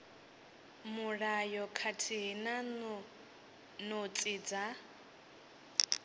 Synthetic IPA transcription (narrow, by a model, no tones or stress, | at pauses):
muɺajɔkʰatʰiɦna | nɔt͡sʼid͡za